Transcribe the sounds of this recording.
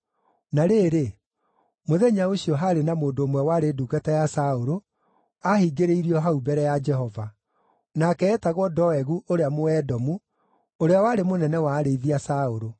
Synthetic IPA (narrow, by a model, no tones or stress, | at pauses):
naɾeːɾe | moðɛɲaoɕiɔɦaɾenamoːndoːmwɛwaɾedukatajasaoɾo | ahiɡeɾeiɾiɔɦaubɛɾɛjad͡ʒɛɦɔva | nakɛːtaɣwɔdɔɛɣuʔoɾeamoɛdɔmu | oɾeawaːɾemonɛnɛwaːɾeiðiasaoɾo